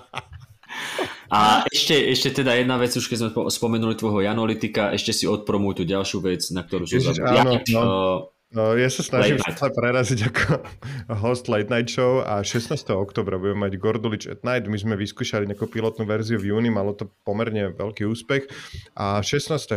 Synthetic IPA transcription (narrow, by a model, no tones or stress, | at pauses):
ʔaʔɛʃcɛʔɛʃcɛt̪ɛd̪ajɛd̪naʋɛd͡zuʃkɛzmɛspɔmɛnulit̪ʋɔjɦɔjanɔlit̪ikaʔɛʃcɛsiɔt̪̚pɾɔmuːjt̪uɟalʃɪuʋɛt͡snak̚t̪ɔɾuːsɔzaaːnɔɔ | jasasnaimlɛpɾɛɾaziɟakɔ | ɦɔst̪lɛt̪naj̪ʃɔʊaʃɛsnaːst̪ɛɦɔɔkt̪ɔːbɾabuɟɛmɛmaɟɡɔɾd̪ɔlit͡ʃɛ̰t̪najd̪mizmɛʋiskuːʃaliɲakupilɔt̪nuːʋɛɾziuvjuːnimalɔt̪ɔpɔmɛɾɲɛʋɛ̰lkiːuːspɛxʔaʃɛsnaːst̪ɛ